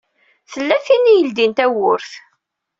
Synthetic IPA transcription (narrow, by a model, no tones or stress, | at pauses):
θəlːæθinijəld̪int̪æwʊɾθ